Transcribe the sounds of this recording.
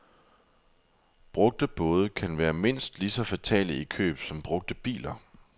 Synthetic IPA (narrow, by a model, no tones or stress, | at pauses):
b̥ʁɔ̽ɡ̥̚d̥əb̥ɔ̽ːð̞ˠəkʰænʋæːɐme̝n̰sd̥lisɒ̽fæt͡sʰɛ̰ːləikʰø̰ːb̥sɒ̽mb̥ʁɔ̽ɡ̥̚d̥əb̥ḭːlɐ